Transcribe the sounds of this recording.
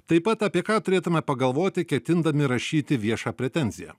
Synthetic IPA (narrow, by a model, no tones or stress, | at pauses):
t̪ɐɪpɐt̪ɐpʲiɛkɑːt̪ʊɾʲeːt̪ʊmʲɛpɐɡɐlˠʋoːt̪ʲɪkʲɛt̪ʲɪnd̪ɐmʲɪɾɐʃʲiːt̪ʲɪʋʲiɛʃɑːpʲɾʲɛt̪ʲɛnʲzʲɪjæ̰